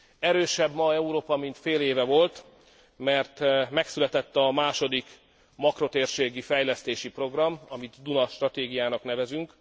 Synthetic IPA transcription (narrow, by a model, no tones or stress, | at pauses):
ɛɾøːʃɛbmɒɛuɾoːpɒmint̪feːleːvɛvo̞lt̪ | mɛrt̪mɛksylɛt̪ɛt̪ːɒmaːʃo̞d̪ik | mɒkro̞t̪eːrʃeːɡifɛjlɛst̪eːʃipro̞ɡrɒmɒmit̪d̪unɒʃt̪rɒt̪eːɡijaːnɒknɛvɛzyŋk